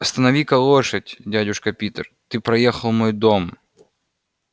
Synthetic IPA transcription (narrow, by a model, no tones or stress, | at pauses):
ɐst̪ɐnɐʋʲikɐlˠoʂɐtʲdʲadʲʊʂkɐpʲit̪rt̪ɨpɾɐjexɐlˠmojd̪om